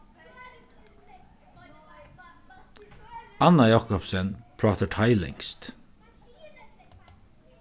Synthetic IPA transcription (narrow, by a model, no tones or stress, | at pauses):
anajɑkʊpsənpʰɹɑːt̪əʈʰaɪlɪ̰ŋst̪